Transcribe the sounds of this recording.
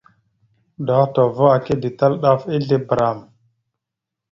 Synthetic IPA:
da˨˦to˨vo˦a˨ki˦di˨ta˦lɗa˦fi˦ɮi˦bɾa˨m

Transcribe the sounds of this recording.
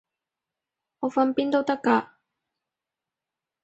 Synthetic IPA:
ŋɔː˨˧fɐ˧npiː˥nt̪o˥wt̪ɐ˥kːaː˧

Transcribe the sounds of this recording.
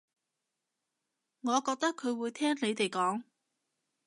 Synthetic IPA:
ŋɔː˨˧kɔː˧k̚t̪ɐ˥kʰːɵ˨˧ɥwuː˨˧jt̪ʰɛː˥ŋne˨˧jt̪e˨jkɔː˨˥ŋ

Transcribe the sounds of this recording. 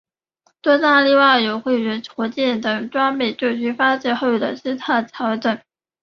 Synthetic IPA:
t̪wɔ˥t̪a˥˧li˥˧wa˥˩jo˨˩ʊxwe˥˩ɥə˧˥nʈ͡ʂʰɔ˧˥t͡ɕjɛ˥˩nt̪ɤ˨˩ŋʈ͡ʂwa˥ŋme˨˩ɪʈ͡ʂo˥˩t͡ɕʰy˥fa˥ʈ͡ʂ̩˥˩xo˥˩ʊjd̪ə̰˨˩ʈ͡ʂɻ̩˥t̪ʰa˥˩t͡sʰjɑ˧˥ʊʈ͡ʂɤ˨˩˦ŋ

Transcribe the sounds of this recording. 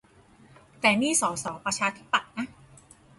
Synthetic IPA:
t̪ɛː˨˩miː˥˩sɔː˩˦sɔː˩˦ŋpɾa˧t͡ɕʰaː˧t̪ʰi˦˥pːa˨˩t̪̚na˦˥

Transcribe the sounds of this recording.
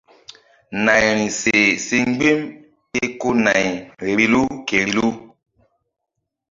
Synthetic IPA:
na˨jɾĩ˨se˨si˦ŋ˦ɡ͡be˦m | e˦ko˦na˨jɾi˨lu˦ke˨ɾi˨lu˦

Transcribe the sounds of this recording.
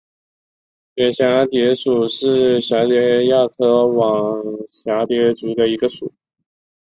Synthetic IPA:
ɛ˨˩nɕja˧˥t̪jɛ˧˥ʈ͡ʂu˨˩ʂɻ̩˥˩ɕja˧˥t͡ɕɥɛ˧˥ja˥˩k̪ʰɤ˥˩wɑ˨˩ŋɕja˧˥t̪jɛ˧˥t͡su˧˥d̪ə˧i˧˥ɡə˧ʂu˨˩˦

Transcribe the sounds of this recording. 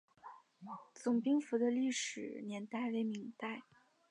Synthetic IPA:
t͡sʊ˨˩ŋpi˥ŋfu˧˥d̪ə˧li˥˩ʂɻ̩˨˩njɛ˧˥nt̪a˥˩ɪwe˧˥ɪmi˧˥ŋt̪a˥˩ɪ

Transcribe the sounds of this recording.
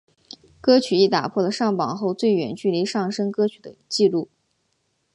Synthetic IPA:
kɤ˥t͡ɕʰy˨˩i˥˩t̪a̰˨˩pʰwɔ˥˩lə˩ʂɑ˥˩ŋpɑ˨˩˦ŋxo˥˧ʊt͡swe˥˩ɪɥɛ̰˨˩˦nt͡ɕy˥˧li˧˥ʂɑ˥˩ŋʂɤ˥ŋkɤ˥t͡ɕʰy˨˩d̪ə˦t͡ɕi˥˧lu˥˩

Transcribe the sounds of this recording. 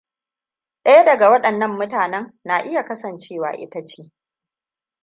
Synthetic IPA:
ɗɐ˦ja˦dɐ˨ɡa˨wɐ˦ɗɐ˨nːɐ˦mːʊ˦taː˨nɛ˦ŋna˨ʔɪ˦ja˨kɐ˦sɐ˨nt͡ʃeː˦˨wa̰ː˨ʔɪ̰˦ta˦t͡ʃeː˦

